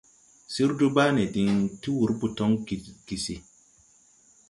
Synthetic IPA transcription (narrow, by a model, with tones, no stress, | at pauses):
si˦ɾdu˦baː˦nɛ˨di˨ŋti˦wu˨˦ɾbu˨tɔ˦ŋ˨ɡ̥i˨si˨